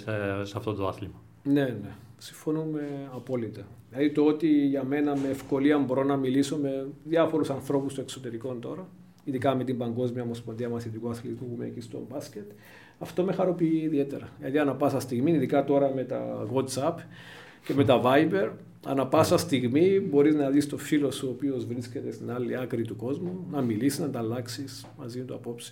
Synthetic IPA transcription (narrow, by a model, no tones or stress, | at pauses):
sɐft̪ot̪oɐθlimɐ | ne̞ne̞ | siɱfo̞nume̞ɐpo̞lit̪ɐðilɐðit̪oot̪iʝɐme̞nɐmeːfko̞liɐmbo̞ɾo̞nɐmiliso̞me̞ðiɐfo̞ɾusɐnθɾo̞pust̪oekso̞t̪e̞ɾiko̞nt̪o̞ɾɐ | iðikɐme̞t̪imbɐŋɡo̞zmiɐomospond̪iɐmɐθet̪ikuɐθlt̪izmupumḛcist̪o̞̰mbɐscet̪ | ɐft̪o̞me̞xɐɾo̞piiːðie̞t̪eɾɐlɐ̰t̪iɐnɐpɐsɐst̪iɣmiiðikɐt̪o̞ɾɐme̞t̪ɐ̰ɣot̪sɐp | ce̞me̞t̪ɐvɐjbe̞ɾ | ɐ̰nɐpɐsɐst̪iɣmibo̞ɾiznɐðist̪o̞filo̞suopio̞zvɾisce̞t̪e̞st̪inɐlːiɐkɾit̪uko̞zmunɐmilisiznɐd̪ɐlːɐksis | mɐzimet̪uɐpo̞ps